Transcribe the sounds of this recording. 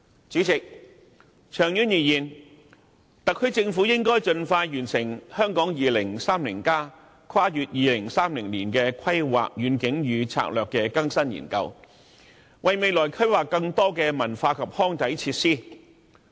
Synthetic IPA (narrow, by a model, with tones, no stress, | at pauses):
t͡syː˨˥t͡sɪ˨k̚ | t͡ʃʰœː˨˩ŋjyː˨˥njiː˨jiː˨˩n | t̪ɐ˨k̚ʰːɵ˨˧˥ɥt͡sɪ˧ŋfuː˨˥jɪ˥ŋkɔː˥jt͡ʃɵ˧nfaː˧jjyː˨˩nsɪ˨˩ŋhœː˥ŋkɔː˨˥ŋjiː˨lɪ˨˩ŋsaː˥mlḭ˨˩nkaː˥ | kʰwaː˥jyː˨˧t̚jiː˨˧lɪ˨˩ŋsaː˥mlɪ˨˩ŋliː˨˩nkɛː˧kʰɐ˥jwa̰ː˨k̚jyː˨˧nkɪ˨˥ŋjyː˨˧t͡sʰa̰ː˧˥k̚lœː˨kːɛː˧kɐ˥ŋsɐ˥njḭː˨˩nkɐ̰˧w | wɐ˨jme˨˧jlɔː˨˩jkʰɐ˥jwaː˨˩kːɐ˧ŋt̪ɔː˥kɛː˧mɐ˨˩nfaː˧kʰɐ˨p̚hɔː˥ŋt̪ɐ˨˥jt͡sʰiː˧t̚siː˥